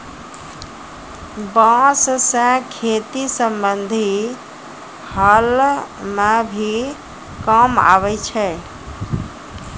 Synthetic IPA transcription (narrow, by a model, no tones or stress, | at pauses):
bãssə̃kʰet̪isəmbənd̪ʱi | həlmebʱi | kəma̰βɛt͡ʃʰɛ